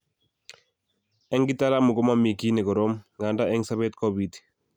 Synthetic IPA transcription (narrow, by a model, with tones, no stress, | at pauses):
ɛ˦ŋɡi˦ta˦la˦mu˨kɔ˦ma˦mi˨ki˦nɛ˨kɔ˨ɾɔ˦mŋɡa˨nda˦ɛ˦ŋsa˦be˦t̚kɔ˦bi˨t